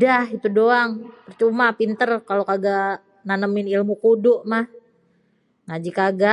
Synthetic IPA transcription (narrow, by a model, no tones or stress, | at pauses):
dahit̪udoaŋpərt͡ʃumapint̪ərkalokaɡaʔ | nanəmɪnilmukudʊʔmah | ŋad͡ʒikaɡa